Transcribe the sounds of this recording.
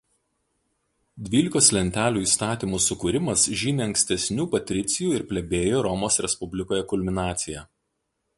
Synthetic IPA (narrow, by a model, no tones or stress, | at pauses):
d̪ʲʋʲiːlʲɪkoslʲɛnʲt̪ʲæːlʲuːiːst̪ɑːt̪ʲiːˑmuːsʊkuːɾʲɪmɐsʒʲɪnʲeːɐŋksʲt̪ʲɛsʲnʲuːpɐt̪ʲɾʲɪt̪sʲɪjuːɪɾpʲlʲɛbʲeːjoːɾɔmoːsɾʲɛspʊbʲlʲɪkoːjɛkʊlʲmʲɪnɑːt̪sʲɪjɛ